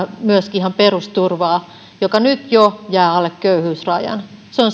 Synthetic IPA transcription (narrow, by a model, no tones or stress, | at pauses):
myøskiihɑmperust̪urʋɑː | jokɑnyt̪jojæːɑlːekkøyhyːsrɑjɑ̰nseon